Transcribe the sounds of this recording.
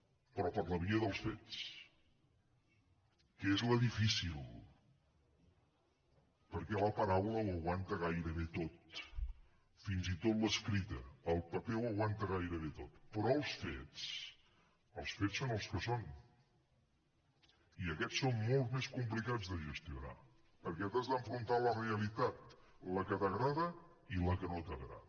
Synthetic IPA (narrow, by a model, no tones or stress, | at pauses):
pɾɔpəɾləβiəðəlˠsfet͡s | kezləðifisilˠ | pəɾkɛləpəɾawləwəɣwant̪əɣajɾəβet̪ot̪̚ | finzit̪ot̪ləskɾit̪əːlˠpəpɛwəɣwant̪əɣajɾəβet̪ot̪pɾɔəlˠsfḛt͡s | əlˠsfetsonəlˠskəson | iəkɛt͡sːommolˠzmeskumplikazðəʒəst̪iuna̰ | pəɾkɛt̪azðəɱfɾunt̪aləreəlit̪at̪̚ləkət̪əɣɾaðə | iləkənot̪əɣɾa̰ðə